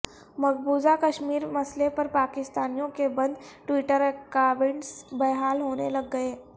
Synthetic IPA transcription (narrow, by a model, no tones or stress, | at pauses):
mɐɡbuːzakɐʃmiːɾmɐslepɐɾpaːkɪst̪aːnijõkebɐ̃nd̪ʈwiːʈəɾkaːbẽɳʈsbɐɦaːlɦoːnelɐɡːɐeː